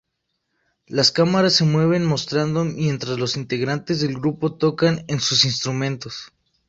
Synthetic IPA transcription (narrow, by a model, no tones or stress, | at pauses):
laskamaɾasːe̞mwe̞β̞e̞nmo̞st̪ɾand̪omje̞nt̪ɾazlo̞sint̪e̞ɣɾant̪e̞zðe̞lɡɾupo̞t̪o̞kane̞nsusins̬t̪ɾumẽ̞nt̪o̞s